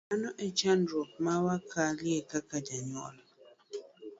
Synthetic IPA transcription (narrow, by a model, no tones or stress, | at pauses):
anɔʔɛt͡ʃandɾop̚mawakʰaliekakad͡ʒaɲɔ̰ʔla